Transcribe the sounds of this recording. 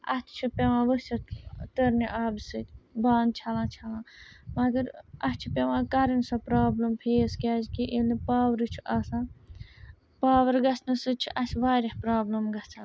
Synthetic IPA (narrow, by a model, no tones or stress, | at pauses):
ɐ̰t̪ʲʰt͡ʃʰupʲeʋãːʋət͡ʃʰɐt̪t̪əɾniʔaːbsɨt̪ʲbaːnd̪̚t͡ʃʰɐlãːt͡ʃʰɐlãːmɐɡɐɾɐt̪t͡ʃʰupʲeʋãːkɐɾinsɐpɾaːblɐmpʰeːskʲaːd͡ʒkiʔelipaːʋɾɨt͡ʃʰuʔaːsãː | paːʋɐɾɡɐsʰnɨsɨt͡ʃʰuʔɐsʲʋaːɾʲɐhpɾaːblɐmɡɐt͡sʰa